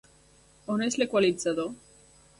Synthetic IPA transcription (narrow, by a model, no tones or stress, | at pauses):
oneslekwalit͡saðo